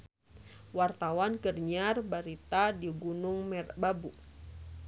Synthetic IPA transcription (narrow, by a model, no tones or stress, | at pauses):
wart̪awankərɲarbaɾit̪adiɡunʊŋmɛrbabu